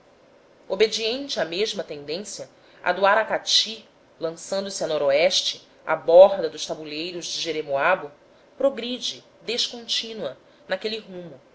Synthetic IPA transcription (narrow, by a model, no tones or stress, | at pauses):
obed͡ʒiẽnt͡ʃɪameʒmɐt̪ẽnd̪ẽsjɐ | a̰d̪uaɾakat͡ʃi | lɐ̃sɐ̃nd̪ʊsɪanɔɾoɛʃt͡ʃɪ | a̰bɔɦd̪ɐd̪ʊʃt̪abuʎejɾʊʒd͡ʒɪʒeɾemoabʊ | pɾoɡɾid͡ʒɪ | d̪eʃkõnt͡ʃĩnwɐ | nakeliɦũmʊ